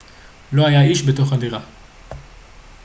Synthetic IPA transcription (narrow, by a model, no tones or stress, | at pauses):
lo̞ajaiʃbe̞to̞χadiʁa